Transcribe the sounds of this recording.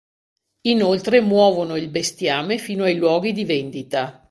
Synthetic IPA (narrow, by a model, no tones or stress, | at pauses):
inolt̪ɾemwɔːvonoilbest̪jaːmefiːnoajlwɔːɡid̪ivend̪it̪a